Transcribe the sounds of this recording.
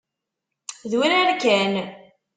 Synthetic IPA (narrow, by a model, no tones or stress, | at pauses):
ðwiɾæɾkæn